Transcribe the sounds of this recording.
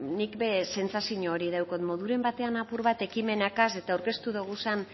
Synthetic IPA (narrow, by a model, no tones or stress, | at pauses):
nikbe̞se̞nt͡sasiɲoːɾið̞awkot̪mo̞ðuɾe̞mbat̪e̞anapuɾβat̪e̞kime̞nakase̞t̪aːwɾke̞st̪uðuɣ̞usan